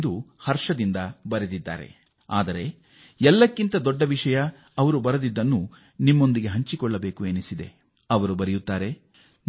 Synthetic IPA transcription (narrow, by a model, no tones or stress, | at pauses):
d̪uhɐɾʂɐd̪ind̪ɐbɐɾed̪id̪ːa̰ːɾe̞̰ | a̰ːd̪ɐɾe̞ | ɛlːɐkːint̪ɐd̪ɔɖːɐʋiʂɐjɐː | ʋɐɾubɐɾɐd̪id̪ːɐnːu | nimːo̞nd̪iɡe̞ɦɐɲt͡ʃikɔɭːɐbe̞ːkuenisid̪e̞̰ | ɐʋɐɾubɐɾɛjut̪ːaːɾe̞